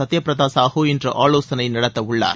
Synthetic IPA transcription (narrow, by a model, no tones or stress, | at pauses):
ɐt̪ːɪjɐpɾɐðaːsaːɣoːɪndrɐʔaːɭoːsɐnɐɪnɐɽɐt̪ːɐʊɭːa̰ːɾ